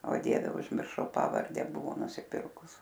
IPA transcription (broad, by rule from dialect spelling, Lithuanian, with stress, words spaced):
oː ˈdʲiɛʋʲɛ ʊʒʲmʲɪrˈʃɐʊ ˈpɑːʋɐrʲdʲɛ ˈbʊʋoː nʊsʲɪˈpʲɪrkʊs